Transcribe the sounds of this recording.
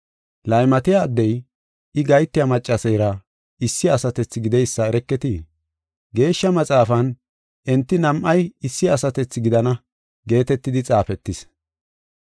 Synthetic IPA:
lɐjmɐt̪ɪjaːd̪ːɛj | ɪɡɐjt̪ːɪjɐmɐt͡ʃʼːɐsɛjɾɐ | ɪsːɪɐsɐt̪ɛt͡sːɪɡɪd̪ɛjsːɐɛɾɛkːɛt̪i | ɡe̞ːʃːɐmɐt͡sʼaːfɐn | ʔɛnt̪ːɪnɐmʔɐjɪsːɪɐsɐt̪ɛt͡sːɪɡɪd̪ɐnɐ | ɡe̞ːt̪ɛt̪ːɪd̪ɪt͡sʼaːfɛt̪ːɪs

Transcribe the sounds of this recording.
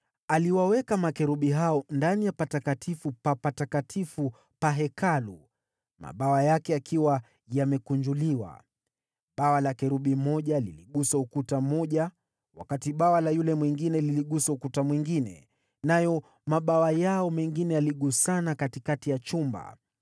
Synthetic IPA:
aliwawɛkamakɛɾuɓiɦaɔndanijapatakatʰifupapatakatʰifu | paɦɛkalu | ma̰ɓawajakɛakʰiwa | jamɛkuɲd͡ʒuliwa̰ | ɓawalakɛɾuɓimɔʄaliliɠusaukutamɔʄa | wa̰katiɓawalajulɛmwiŋɡinɛliliɠusaukutamwiŋɡinɛ̰ | najɔ | maɓawajaɔmɛŋɡinɛjaliɠusanakatikatijat͡ʃumba̰

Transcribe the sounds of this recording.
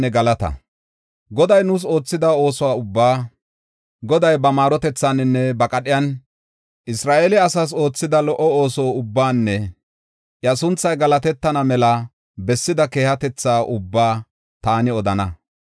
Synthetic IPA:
ɛɡɐlɐt̪ɐ̰ | ɡɔd̪ɐjnʊːs̬o̞ːt͡sːɪd̪ɐo̞ːsɔwaʊbːaː | ɡɔd̪ɐjbɐmaːɾɔt̪ɛt͡sːanɪnːɛbɐkʼɐɗɪjɐn | ʔɪsɾaːʔelɪɐsas̬o̞ːt͡sːɪd̪ɐlɔʔɔo̞ːsoːʊbːaːnːɛ | ʔjɐsʊnt͡sːɐjɡɐlɐt̪ɛt̪ːɐnɐmɛlɐ | bɛsːɪd̪ɐke̞ːhɐt̪ɛt͡sːaːʔʊbːaː | t̪aːnɪɔd̪ɐnɐ

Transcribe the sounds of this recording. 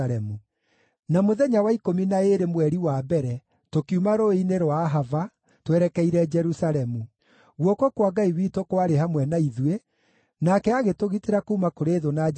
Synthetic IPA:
ɾɛmu | namoðɛɲawaikominaeɾemwɛɾiwabɛɾɛ | tokiumaɾoineɾwaːɦava | twɛɾɛkɛiɾɛd͡ʒɛɾusaɾɛmu | ɣwɔkokwaɡaiwiːtokowaɾeɦamwɛnaiðuwe | nakɛaɣetoɣiteɾakuːmakoɾeːðona

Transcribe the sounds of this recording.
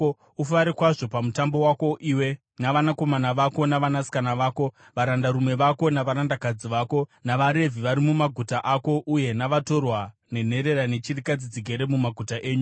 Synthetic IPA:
ufaɾikwaʐo̞pamutambo̞wako̞ʔiwe̞ | naʋanako̞manaʋako̞naʋanasi̥kanaʋaːko̞ | ʋaɾandaɾumwe̞ʋako̞naʋaɾandakad͡ziʋaːko̞naʋaɾe̞vʱiʋaɾimumaɡʱutaʔako̞ʔuje̞naʋato̞rwa | ne̞n̤e̞ɾe̞ɾane̞t͡ʃirikad͡zit͡siɡʱe̞ɾe̞mumaɡʱutaʔe̞ːɲu

